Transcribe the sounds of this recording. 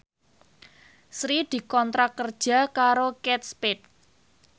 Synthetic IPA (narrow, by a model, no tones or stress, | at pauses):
sɾid̪̥i̤kɔnt̪ɾakːərd̥ʒ̥a̤kaɾokɛt̪̚spɪt̪̚